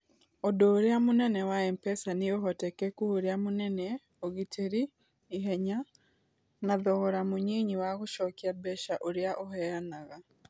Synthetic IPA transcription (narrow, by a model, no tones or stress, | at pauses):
odoːɾeamonɛnɛwaɛmpɛsaneoɦɔtɛkɛkuhoɾeamonɛnɛ | oɣitʰeɾiː | ɦɛɲa | naðɔɣɔɾamoɲiɲiwaɣoʃɔkiabɛʃaʔoɾeaʔoɦɛɾanaɣa